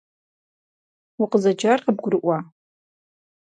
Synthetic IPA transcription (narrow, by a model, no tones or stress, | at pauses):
ʊqəzɐd͡ʒarqəb̚ɡʷʊɾɨʔʷa